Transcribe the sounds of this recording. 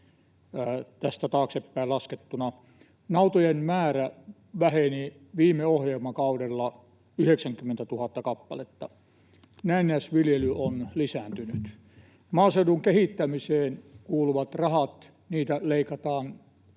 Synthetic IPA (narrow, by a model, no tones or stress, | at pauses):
t̪æst̪æt̪ɑːksepːæilɑsket̪ːunɑ | nɑut̪ojenmæːræ | ʋæheni | ʋiːmːˑeohjelmɑkɑudelːɑ | yheksæŋkymːent̪æt̪uhɑt̪ːɑkɑpːɑlet̪ːɑ | næinːˑeæsʋiljelyonlisæːnt̪yny̰t̪ | mɑːseduŋkehit̪ːæmiseːnkuːluʋɑt̪rɑhɑt̪ | niːt̪æleikɑt̪ɑːn